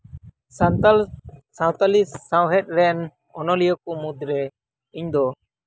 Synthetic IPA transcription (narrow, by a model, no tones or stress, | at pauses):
sat̪alsãwt̪alisːãwɦɛt̪̚ˀɾɛn | ɔnɔlijɔkumud̪ɾɛ | iɲd̪ɔ